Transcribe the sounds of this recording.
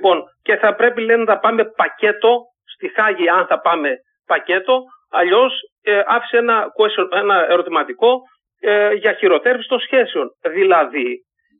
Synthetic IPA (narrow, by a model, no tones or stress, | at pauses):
po̞nce̞θɐpɾe̞pilenɐt̪ɐpɐme̞pɐce̞t̪o̞ | st̪ixɐʝiɐnθɐpɐme̞ | pɐce̞t̪o̞ | ɐʎo̞s | ɐfi̥seenɐkoesenɐeɾo̞t̪imɐt̪iko̞ | ʝɐçiɾo̞t̪e̞ɾvisi̥t̪o̞nsçe̞seo̞nðilɐði